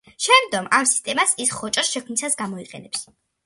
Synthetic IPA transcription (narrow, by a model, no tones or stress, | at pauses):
ʃɛmd̪d̪ɡɔmamsi̥st̪ʼɛmasisχɔt͡ʃʼɔsʃɛkʰmisasɡamɔiqʼɛ̰nɛps